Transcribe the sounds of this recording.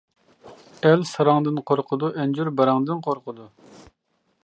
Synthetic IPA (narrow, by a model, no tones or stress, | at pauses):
ɛlsɑɾɑŋd̪ɨnqʰoɾqʰʊd̪uʔɛnd͡ʒyɾbɑɾɑŋd̪ɨnqʰoɾqʰəd̪u